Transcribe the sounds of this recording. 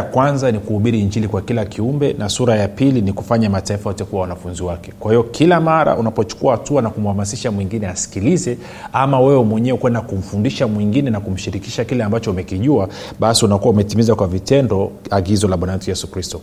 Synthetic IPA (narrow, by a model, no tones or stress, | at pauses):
kwanzanikuhuɓiɾiːɲd͡ʒilikwakilakʰiumbɛnasuɾajapiliniku̥faɲamataifawɔtɛkuwawanafunziwakɛkwahijɔkʰilamaɾa̰ʔunapɔt͡ʃu̥kuahatuanakum̩hamasiʃamwiŋɡinɛasi̥kilizɛ | amawɛwɛmwɛɲɛɛkwɛndakum̩fundiʃamwiŋɡinɛnakum̩ʃiɾiki̥ʃakilɛambat͡ʃɔumɛkiʄua | ɓasiunakuwaumɛtimizakwavitɛndɔaɡizɔlaɓwanamtujɛsukɾistɔ